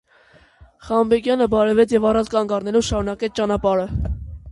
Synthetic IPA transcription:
χɑmbɛɡjɑnəbɑɾɛvɛt͡sʰjɛvɑrɑnt͡skɑŋɡɑrnɛlɔvʃɑɾunɑkɛt͡sʰt͡ʃɑnɑpɑɾə

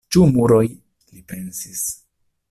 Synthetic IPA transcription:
t͡ʃumuɾoj | lipe̞nsis

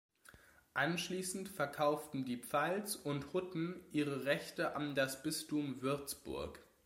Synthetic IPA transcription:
ʔanʃliːsn̩tfɛɐkʰaʊftn̩diːpp͡falt͡sʊnthʊtn̩ʔiːʁəʁɛçtəʔandasb̥ɪstumvɪɐt͡sb̥ʊ̰ɐk

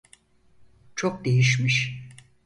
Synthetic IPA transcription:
t͡ʃʰok̚d̪ejiʃmiʃ

